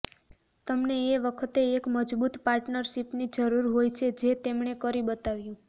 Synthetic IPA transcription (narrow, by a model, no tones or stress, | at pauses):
t̪əmneːʋəkʰət̪eːkməd͡ʒbut̪paɾʈnəɾʃipnid͡ʒəɾuɾɦojt͡ʃʰed͡ʒet̪emɳekəɾibət̪aʋjũ